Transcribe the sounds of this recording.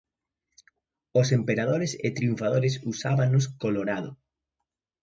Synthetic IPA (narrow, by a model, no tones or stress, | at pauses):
osempeɾaðoɾesɪ̰t̪ɾiuɱfað̞oɾesusaβanʊskoloɾaðʊ̰